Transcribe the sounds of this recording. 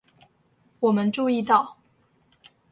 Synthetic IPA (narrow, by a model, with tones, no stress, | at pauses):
wɔ˨˩mə˦nʈ͡ʂu˥˧i˥˧t̪ɑ˥˩ʊ